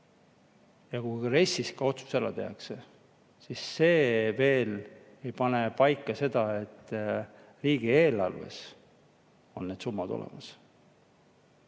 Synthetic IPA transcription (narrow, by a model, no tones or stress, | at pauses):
jɑkujɾe̞sʲiskɑo̞t̪su̥selɑt̪e̞̰ɑkse | sisːe̞ːve̞ːl | e̞jpɑne̞pɑjkːˑɑse̞d̪̥ɑe̞t̪ː | riːɡieːlɑ̰lve̞̰s | o̞nːed̪̥sumːɑd̪o̞̰lḛmɑs